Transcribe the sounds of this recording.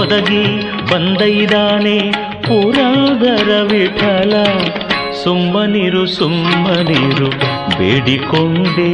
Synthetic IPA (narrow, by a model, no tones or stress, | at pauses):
ɔd̪ɐɡi | bɐnd̪ɐjd̪aːne | puːɾɐd̪ɐɾɐʋiʈʰɐlɐ | sumbɐniːɾusumbɐniːɾubḛːɽikoɳɖe